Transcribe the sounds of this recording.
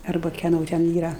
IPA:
ɐrˈbɐ kʲɛˈnoː tʲɛn ˈiːrɐ

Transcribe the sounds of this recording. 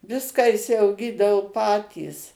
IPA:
ˈʋʲɪskɑː ɪʃʲsʲɛʊˈɡʲiːdɐʋoː ˈpɑːtʲiːs

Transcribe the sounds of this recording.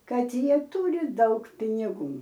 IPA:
ˈkɐt ˈjiɛ ˈtuːrʲɪ ˈdɐʊk pʲɪnʲɪˈɡuː

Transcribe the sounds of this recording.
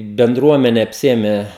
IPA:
bʲɛnˈdruɔmʲɛnʲɛ ɐpʲˈsʲɪeːmʲɛ

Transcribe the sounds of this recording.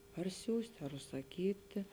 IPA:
pɐr ˈsʲuːsʲtʲ ɐr ʊʃsɐˈkʲiːtʲɪ

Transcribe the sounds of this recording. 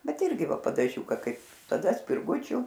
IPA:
ˈbʲɛt ˈɪrʲɡʲɪ ˈʋɐ pɐdɐˈʒʲuːkɐ ˈkɐɪp tɐˈdɐ sʲpʲɪrˈɡʊt͡ʃʲʊ

